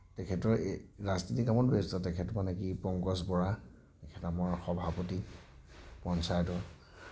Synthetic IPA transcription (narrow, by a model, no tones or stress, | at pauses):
tɛkʰɛtɔɹaznitikamɔtbestɔtɛkʰɛtɔmanɛkipɔŋkɔsbɔɹa | tɛkʰɛtamɔɹxɔbʱapɔti | pɔnsajtɔ